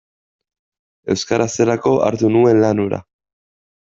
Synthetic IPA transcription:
e̞wskaɾʔase̞ɾako̞ʔa̰ɾt̪unue̞nlanuɾa̰

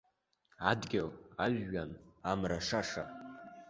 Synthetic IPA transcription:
adɡʲɪlaʒːanamraʂaʂa̰

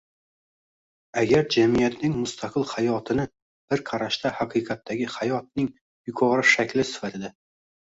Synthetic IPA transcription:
aɡʲaɾd͡ʒamijat̪nɪŋmʊst̪ʰaqʰɨlˠhajɒt̪ʰɪnɪ | b̥ɪɾqʰɑɾaʃt̪ahaqʰɨqʰɑt̪ːaɡʲɪhajɒt̪̚nɪŋ | jʊkʰɒɾɪʃakʲlɪsɪ̥fat̪ʰɪd̪a

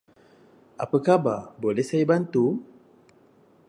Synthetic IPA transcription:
ʔa̰pəkababolɛhsajabant̪u

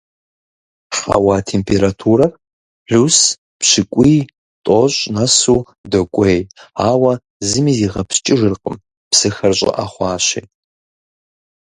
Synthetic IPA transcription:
ʂɐ̰wɑːtʰeːmpʰeɾatʰuːɾɐr | ɮus | pɕɪkʷʼiː | tʼoɕʼnɐsuː | dɐkʷʼejaːwɐ | zɨmiːziːʁɐpst͡ʃʼɪʒɨrqʼəm | psɨxɐrɕʼɪ̰ʔa̰χʷɑːɕej

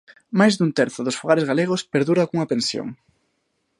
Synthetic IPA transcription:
majzðunt̪ɛɾθʊðʊsfuɣaɾezɣaleɣ̞ospeɾðuɾakuŋɐpẽnsjo̰ŋ

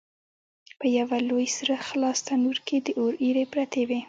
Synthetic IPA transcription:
pəjawalojsɾaxlɑst̪anuɾked̪əʔoɾiɾepɾat̪ewe

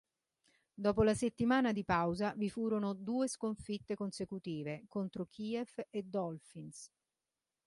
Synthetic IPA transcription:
d̪ɔːp̬olaset̪ːimaːnad̪ipawzavifuːɾonod̪uːeskoɱfit̪ːekonsekut̪iːvekont̪ɾokʰiːɛfed̪ːɔlfins

